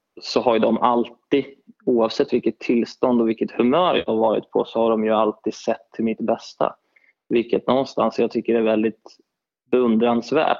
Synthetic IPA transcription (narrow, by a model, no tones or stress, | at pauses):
sɔɦaɾɖɔmʔalt̪iuːɑvsɛt̪ːvɪlkːət̪ʰːɪlːst̪ɔnd̪ɔvɪlkːət̪hɵmœːɾjɑ̰haɾvɑːɾɪ̰t̪̚pʰɔ̰sɔhaɖɔmjɵalt̪iːd̪sɛt̪ʰːɪlmɪt̪bɛst̪a̰ | vɪlkət̪nɔnst̪a̰nsjɑːɡ̚t̪ʰʏkːəɖɛæɾvɛld̪ɪt̪ | bɛɵnd̪ɾansvæ̰ːʈ